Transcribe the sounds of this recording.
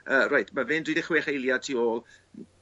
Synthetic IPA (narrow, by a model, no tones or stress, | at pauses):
əːrajtʰmavɪndidɪχweːχejlˠjatʰiːoːlˠ